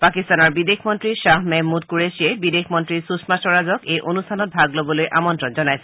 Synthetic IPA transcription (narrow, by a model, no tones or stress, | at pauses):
pakistanɔɹbidexʰmɔntɹiʃaɦmɛmːud̚kuɹesʃiebidexʰmɔntɹisusmasɔɹazɔkejʔonustʰanɔt̚bʱaɡlobɔlojʔamɔntɹɔnzɔnajsɛ